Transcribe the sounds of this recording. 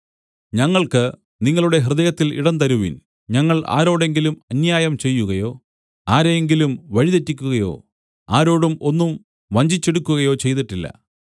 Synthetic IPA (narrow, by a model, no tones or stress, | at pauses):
ɲɐŋːɐɭkɨ | niŋːɐɭuɽe̞ɦrɨðɐjɐt̪ːilḭɽɐnt̪ɐɾuʋḭn | ɲɐŋːɐɭʔa̰ːɾo̞ːɽe̞ŋɡilumɐnjaːjɐmt͡ɕe̞jːuɣɐjo̞ː | aːɾeŋɡilumʋɐɻiðetːikʲːuɣɐjo̞̰ː | aːɾo̞ːɽumo̞nːum | ʋɐɲd͡ʑit͡ɕːe̞ɽukʲːuɣɐjo̞ːt͡ɕe̞jt̪iʈːilːɐ̰